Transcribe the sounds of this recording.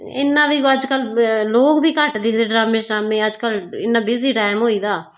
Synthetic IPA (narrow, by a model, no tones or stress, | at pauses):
ɪ̰nːãːʋiːəd͡ʒkəlloːkbʱiːkəʈd̪ɪkd̪eːɖɾaːmẽːʃɾaːmẽːəd͡ʒkəlɪnːãːbɪziːʈaːɪmɦoːiːd̪aː